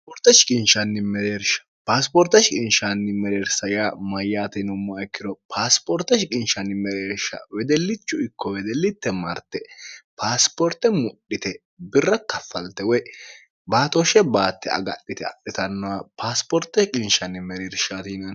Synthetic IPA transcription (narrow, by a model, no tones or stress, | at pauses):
pɔɾt̪ːɐʃɪkʼɪnʃɐnːɪmɛɾeːɾʃɐ̥paːspɔɾt̪ɐʃɪkʼɪnʃanːɪmɛɾeːɾsɐjamɐjaːt̪ɛnʊmːɐːɛkːɪd̪ɔpʰaːspɔɾt̪ɐʃkʼɪnʃɐnːɪmɛɾeːɾʃɐ̰wɛd̪ɛlːɪt͡ʃːʊɪkːɔwɛd̪ɛlːɪt̪ːɛmɐɾt̪ːɛpaːspɔɾt̪ːɛmʊɗɪt̪ɛ | bɪrːɐkɐfːɐlt̪ɛwɔj | baːt̪ɔʃɛbaːt̪ːɛɐ̰ɡɐ̰ɗːɪt̪ɛɐ̰ɗːɪt̪ɐnːɔwapaːspɔɾt̪ːɐʃkʼɪnʃɐnːɪmɛɾeːɾʃat̪iːnɐ